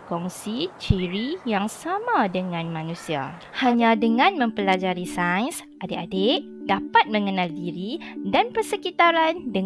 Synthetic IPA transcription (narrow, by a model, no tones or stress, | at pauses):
kɔŋsit͡ʃiɾijaŋsamãdəŋãnmãnũsia̰ | haɲãdəŋãnmə̃mpəlad͡ʒaɾisajns | ʔadeʔadeʔ | dapat̪̚mə̃ŋənãldiɾidanpərsəkit̪aɾandə